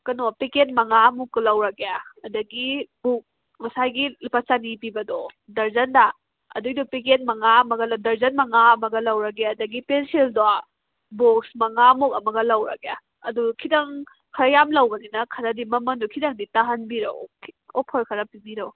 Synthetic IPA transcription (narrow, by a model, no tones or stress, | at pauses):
kɐnopeket̚mɐŋamukːɐlɐwɾɐkejaɐdɐɡibuk̚ | mɐsajɡilpat͡ʃanipibɐdɔ | dɐɾzɐnda | ɐ̰dujdɔpiket̚mɐŋaɐmɐɡɐldɐɾzɐnmɐŋaɐmɐɡɐlɐwɾɐɡeɐdɐɡipenseldoa | boksmɐŋamuk̚ɐmɐɡɐlɐwɾɐ̰keja | ɐdukʰidɐŋ | kʰɐɾɐjamlɐwɡɐninɐkʰɐɾɐdimɐmɐndɔkʰidɐŋditaɦɐnbiɾɐ̰wkʰɔpʰɐɾkʰɐɾɐpibiɾɐw